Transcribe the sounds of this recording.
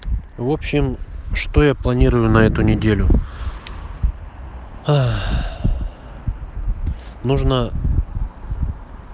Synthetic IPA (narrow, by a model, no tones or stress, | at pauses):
vo̞pɕɪmʂt̪o̞japlˠɐnʲiɾəjʊnɐɛt̪ʊnʲɪdʲelʲʊ | a | nuʐnə